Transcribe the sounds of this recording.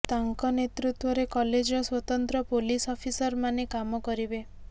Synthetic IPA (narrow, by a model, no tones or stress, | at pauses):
t̪aŋkɔnet̪ɾut̪wɔɾekɔled͡ʒɔswɔt̪ɔnt̪ɾɔpolisɔpʰisɔɾmanekamɔkɔɾibe